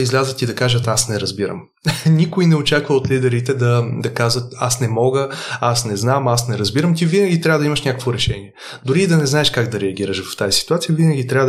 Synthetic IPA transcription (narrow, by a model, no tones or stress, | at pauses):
izlʲazət̪id̪ɐkaʒət̪asnɛɾɐzbiɾə̰m | nʲikoinɛot͡ʃakvəot̪lid̪ɛɾit̪ɛd̪ɐd̪ɐkazvɐt̪a̰snɛmɔɡəasnɛznamasnɛɾɐzbiɾəmt̪ivinəɡʲit̪ɾʲavəd̪ɐimɐʃnʲakə̥kvoɾɛʃɛniɛ | d̪ʊɾiːd̪ɐnɛznaɛʃkaɡd̪ɐɾɛɐɡ̟iɾəʃvɐft̪azisi̥t̪uat̪sijəvinəɡʲit̪ɾʲavə